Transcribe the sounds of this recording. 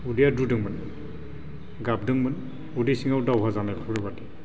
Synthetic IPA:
udijadudɯŋmən | ɡab̚dɯŋmɯn | udisiŋawdawɦazanɛlkʰɹɛbati

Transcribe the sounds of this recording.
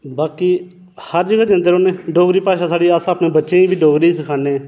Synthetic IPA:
baːkiː | həɾd͡ʒəɡaːd͡ʒãːnd̪eːɾoːnẽːɖoːɡɾiːpaːʃaːsaːɽiːaːsaːpnẽːbətːʃẽːĩːbʱiːɖoːɡɾiːsɪkʰaːneː

